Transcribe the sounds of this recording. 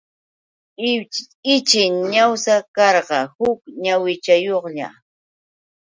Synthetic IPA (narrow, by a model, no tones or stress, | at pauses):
ɪt͡ʃɪŋɲawsakɑɾɢɑhʊkɲawɪt͡ʃajoχʎa̰